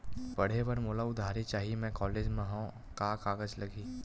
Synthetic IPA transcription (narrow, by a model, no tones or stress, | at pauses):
pɐɽ̤eʋɐɾmoːlaʊd̪ʱaːɾet͡ʃaːɦiemɛ̃ːkɔːleːd͡ʒmẽɦõː | kakaːɡəd͡ʒlɐɡiː